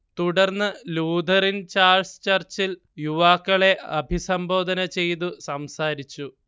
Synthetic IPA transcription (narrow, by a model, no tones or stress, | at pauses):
t̪uɽɐrnːɨluːd̪ʱɐrint͡ɕaːrst͡ɕɐrt͡ɕil | juʋaːkːɐɭe̞ʔɐbʱisɐmbo̞ːd̪ʱɐnɐt͡ɕe̞jt̪̬usɐmsaːɾit͡ɕːu